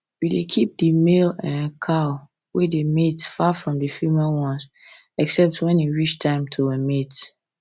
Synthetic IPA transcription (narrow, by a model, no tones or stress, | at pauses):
jidekʰip̚dəmelɛ̃nkʰaʊ | wedemetfafɹɔ̃mdəfimɛlwɔ̃nz | ɛksɛp̚twɛ̃niɹit͡ʃtʰãɪ̃mtʰuwɛmet